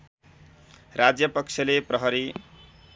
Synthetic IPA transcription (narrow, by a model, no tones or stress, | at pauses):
rad͡zjʌpʌkt͡sʰʌleprʌɦʌɾi